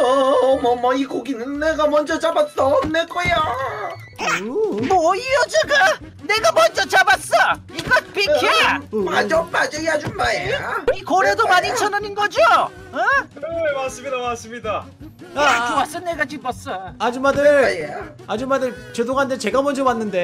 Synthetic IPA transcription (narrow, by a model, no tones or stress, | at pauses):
ʌmʌmʌiɡoɡinɯnneɡamʌnd͡ʑʌt͡ɕabat͈ʌnnek͈oja | mʌiʌd͡ʑeɡa | ne̞ɡamʌnd͡ʑʌt͡ɕabas͈ʌ | iɡapekʰipad͡ʑʌp͈ad͡ʑejad͡ʑumajeikʌɾedomaɲit͡ɕʰʌnɯnɯnɡʌd͡ʑo | kɾemas͈ɯmidamas͈ɯmɲida | at͡ɕoas͈ʌnːeɡat͡ɕibʌs͈ʌad͡ʑimadɯɭaje | ad͡ʑimadɯɭt͡ɕedoŋɦandet͡ɕe̞ɡamʌnd͡ʑʌwanːɯnde̞